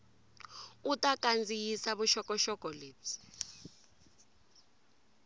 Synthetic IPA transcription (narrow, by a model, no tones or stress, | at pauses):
utʼakʼand͡zʱijisaɓuʃɔkʼɔʃɔɡ̥ʱɔleːtʰi̥